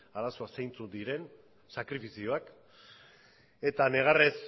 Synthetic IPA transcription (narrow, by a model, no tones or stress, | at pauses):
aɾaso̞asejnt͡sund̪iɾe̞n | sakɾifisio̞ak | e̞t̪ane̞ɣ̞ares